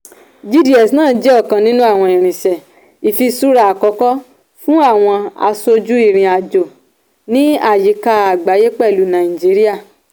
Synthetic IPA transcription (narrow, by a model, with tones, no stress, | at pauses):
d͡ʒi˦di˨˦ɛ˨snãː˦˨d͡ʒɛ˨˦ɔ˦˨kã˧nĩ˦nũ˦a˦˨w̃ɔ̃˧i˨ɾ̃ĩ˨ʃɛ˨ | i˨fi˧su˦ɾa˦˨a˨kɔ˧˦kɔ˦ | fũ˦a˦˨w̃ɔ̃˧a̰˧so˧d͡ʒu˦i˦˨ɾ̃ĩ˨a˨d͡ʒo˨ | nĩ˦a˦˨ji˨˦ka˧a˨ɡ͡ba˨˦je˦k͡pɛ˦˨lu˨˦nã˨ĩ˨d͡ʒi˨˦ɾi˦a˦˨